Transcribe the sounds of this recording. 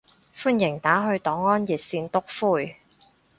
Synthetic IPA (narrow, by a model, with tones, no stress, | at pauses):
fuː˥njɪ˨˩ŋt̪aː˨˥ɦɵ˧ɥt̪ɔː˨˥ŋːɔː˥njiː˨t̚siː˧nt̪ʊ˥k̚fuː˥˩j